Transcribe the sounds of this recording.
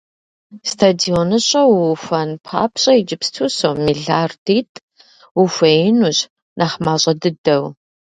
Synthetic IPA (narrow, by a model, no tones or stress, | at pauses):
stʰadionɨɕʼɐwfɐnpʰa̰ːpʰɕʼɐid͡ʒɪpstʰusowmiːɮaːrtʰiːtʼ | wufɐnuɕ | nʔaːχmaːɕʼɐdɨdɐw